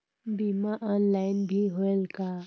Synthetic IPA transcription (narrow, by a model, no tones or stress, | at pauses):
bimaʔɔnlaːɪnbʱiɦoelka